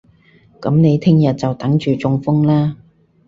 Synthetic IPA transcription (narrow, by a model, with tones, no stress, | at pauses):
kɐ˨˥mne˨˧jt̪ʰɪ˥ŋjɐ˨t̚t͡sɐ˨wt̪ɐ˨˥ŋt͡ʃyː˨˩t͡sʊ˧ŋfʊ˥ŋlaː˥